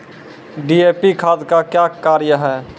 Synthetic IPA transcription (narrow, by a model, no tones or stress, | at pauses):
ɖiepikʰad̪kakjakaɾjəɦɛ̃ː